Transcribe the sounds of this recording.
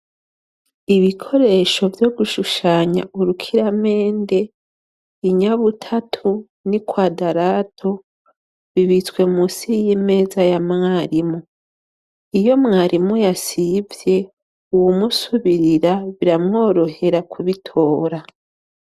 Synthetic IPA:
iβikʰo̞ɾe̞ʃo̞vjo̞ɡuʃuʃaːɲa̰ʔuɾukʰiɾame̞ːnde̞ | iɲaβutʰatʰu | nikwaːdaɾaːtʰo̞ | βiβit͡swe̞musiijime̞ːzajamŋaːɾimu | ijo̞mŋaːɾʔimujasivje̞ | uwumusuβiɾiɾaβiɾamŋo̞ːɾo̞he̞ɾakʰuβitʰo̞ːɾa

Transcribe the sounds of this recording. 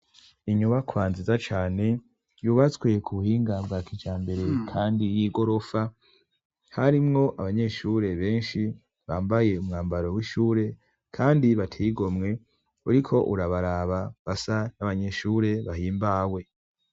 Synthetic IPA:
iɲuβakʰwaːnzizat͡ʃaːne̞ | juːβat͡swe̞kʰuβuhiːŋɡabɡaːkit͡ʃaːmbe̞ɾe̞kʰaːndijiːɡo̞ɾo̞fa | haɾimŋo̞ʔaβaɲe̞ʃuːɾe̞βe̞ːnʃi | βaːmbaje̞umŋaːmbaɾowiʃuːɾe̞ | kʰaːndiβatʰiɡo̞mŋe̞ | uɾikʰo̞ʔuɾaβaɾaβaβasanaβaɲe̞ʃuɾe̞βahiːmbaːwe̞

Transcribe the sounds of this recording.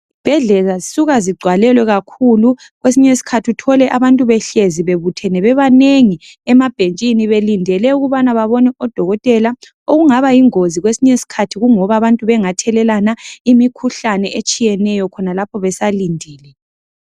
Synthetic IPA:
ib̥ʱɛɮɛlazisuɣaziɡ͡ǀʱwalɛlwɛɣakʰulu | ɣwesiɲesi̥kʰatʰiutʰɔlɛʔaβantʼuβɛɬeziβeβutʰɛnɛβɛβaneŋiɛmab̥ʱent͡ʃʼiniβelindʱɛlɛuɣuβanaβaβɔnɛɔd̥ʱɔɣɔtʼɛla | oɣuŋaβajiŋoziɣwesiɲesi̥kʰatʰiɣuŋɔβaβantʼuβɛŋatʰɛlɛlanaimikʰuɬanɛʔet͡ʃʼijɛnɛjɔkʰɔnalapʰɔβɛsalindʱiːlɛ

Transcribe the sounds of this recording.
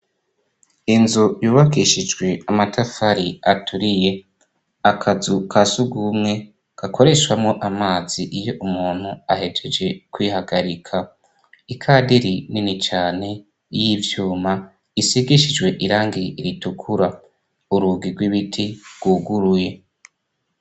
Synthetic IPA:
inzujuːβakiʃid͡ʒɡwe̞amatʰafaɾiatʰuɾije̞ | akʰazukʰasuɡumŋe̞ | ɡ̥akʰo̞ɾe̞ʃwamŋo̞ʔamaːz̥iʔijo̞ʔumuːn̥huahe̞d͡ʒed͡ʒe̞kwiːhaɡaɾikʰa | ikʰadiɾininit͡ʃaːne̞ | jivjuːma | isiɡiʃid͡ʒwe̞ʔiɾaːŋɡiɾitukʰuɾa | uɾuːɡiɾɡwiβitʰiɡ̥wuɡuɾuje̞

